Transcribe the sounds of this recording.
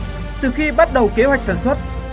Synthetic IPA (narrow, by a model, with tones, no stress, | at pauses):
t̪ɨ˨˩xi˧ɓa˦˥t̚ɗə˨˩wke˨˦hwjk̚saː˧˩nswə˦˥t̚